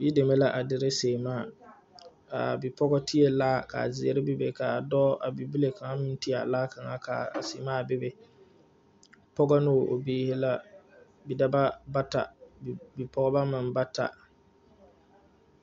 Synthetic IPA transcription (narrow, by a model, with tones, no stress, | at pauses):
ji˦de˨me˦la˦ʔa˨dɪ˨ɾɪ˦seː˨maː˦˨ | a̰˨bɪ˨pɔ˦ɡɔ˦tʰi˦e˦laː˦˨ka̰˨zɪ˨e˦ɾɪ˦bɪ˦bɪ˨ka˨dɔ˦ʔa˨bi˨bi˦le˨ka˨ŋa˦mɪ˦ti˦a˨a˨laː˦ka˨ŋa˦ka̰˨a̰˨se˨˦maː˦˨bɪ˦bɪ˨ | pɔ˦ɡɔ˦no˦˨ʔo̰˨biː˦hɪ˦la˦ | bi˨da˦ba˦ba˦ta̰˨bi˨pɔ˦ɡɔ˦ba˦mɪ˨nba˦ta̰˨